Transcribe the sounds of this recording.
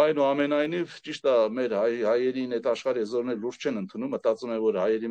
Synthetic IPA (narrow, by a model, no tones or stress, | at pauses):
ɑjnuɑmɛnɑjnivt͡ʃiʃt̪əmɛɾhɑhɑjɛɾinɛt̪ʰɑʃχɑɾiɛzɔɾnɛlluɾst͡ʃʰɛnənt̪ʰunumːət̪ɑt͡sumɛvɔɾhɑjɛɾi